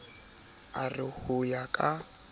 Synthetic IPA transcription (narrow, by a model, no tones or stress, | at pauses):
arɪhʊjakʼa